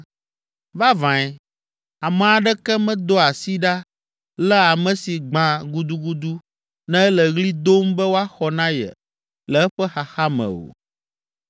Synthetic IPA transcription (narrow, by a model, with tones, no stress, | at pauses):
va˦vã˨ɛ˨ | a˨mɛ̃˨a˨ɖɛ˦kɛ˦mɛ̃˦d̪o˦a˨si˦ɖa˦ | lɛ˦a˨mɛ̃˨si˨ɡ͡bã˨ɡu˦d̪u˦ɡu˦d̪u˦ | nɛ̃˦ɛ˦lɛ˨ɣli˦d̪o˦mbɛ˦wo˦a˦xɔ˨nã˦jɛ̰˨ | lɛ˨ɛ˦ɸɛ˦xa˨xa˦mɛ̰̃˨o̰˨